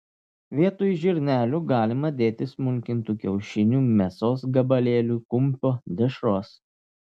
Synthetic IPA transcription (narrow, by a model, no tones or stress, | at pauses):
ʋʲiɛt̪uːjʒʲɪɾʲnʲæːlʲuːɡɑːlʲɪmɐd̪ʲeːt̪ʲɪsmʊŋʲkʲɪnt̪uːkʲɛʊʃʲɪnʲuːmʲɛsoːsɡɐbɐlʲeːlʲuːkʊmʲpʲoːd̪ʲɪʃɾoːs